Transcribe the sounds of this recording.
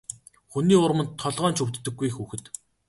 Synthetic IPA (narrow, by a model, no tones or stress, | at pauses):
xuniːʊɾmə̆nt̪ʰːɔɮʁɔːnt͡ɕʰɵwt̪ːɘ̆ɡːujxuxɘ̆t̪